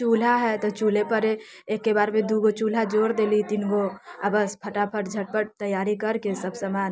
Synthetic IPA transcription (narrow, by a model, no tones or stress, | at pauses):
t͡ʃuːlaɦɛt̪ot͡ʃuːlepəɾe | eːkːebaːɾmẽd̪uɡot͡ʃuːlad͡ʒoːɾd̪eːlit̪ɪnɡoɐbəspʰəʈapʰəʈd͡ʒʱɐʈ̚pəʈt̪əjaːɾikɐɾkesəbsəmaːn